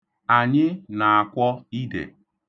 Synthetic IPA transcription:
a˨ɲɪ˦na˨a˨kʷɔ˦i˦dḛ˨

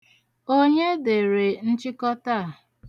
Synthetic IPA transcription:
o˦ɲe˦de˨ɾe˨n̩˦t͡ʃɪ˦kɔ˦ta˦a˨

